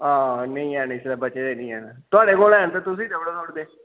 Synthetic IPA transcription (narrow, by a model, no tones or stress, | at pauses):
ãːnəĩːɛːnãɪslabəːt͡ʃeːd̪eːnĩːɦɛːnat̪ʊaːɽeːkoːlɛːnt̪aːt̪ʊs̬ĩːd̪əʋɽoːnoːʈd̪eː